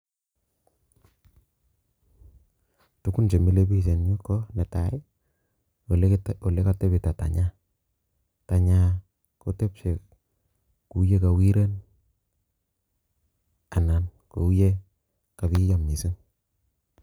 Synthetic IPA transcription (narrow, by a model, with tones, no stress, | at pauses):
tu˦ku˦nt͡ʃe˨mi˦le˦bi˦se˨ni˦kɔ˦ne˨ta˨ɪ˦ | o˨le˦ka˦te˦bi˨ta˨ta̰˨ɲa˦ | ta˨ɲa˦ | ko˦te˦pse˨ | ku˨˦je˦ka˨wi˦ɾe˦n | a˨na˨nko˨u˦je˦ | ka˨bi˦ja˨mni˨si˦ŋ